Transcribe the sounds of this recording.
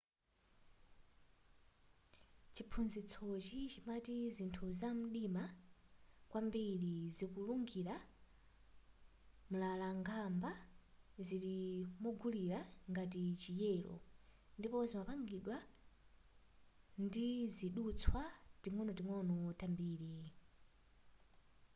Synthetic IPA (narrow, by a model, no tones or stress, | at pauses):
t͡ʃipʰunzit͡sʰɔt͡ʃit͡ʃimatizintʰuzam̩ɗima | kwʔambilizikuluŋɡiɾa | mulalaŋɡambaziɾimɔɡuliɾaŋɡatit͡ʃijɛːlɔ̰ | ndipɔzimapaŋɡiɗwa | ndiziɗut͡sʰwatiŋwɔnɔtiŋwɔnɔtambiːɾi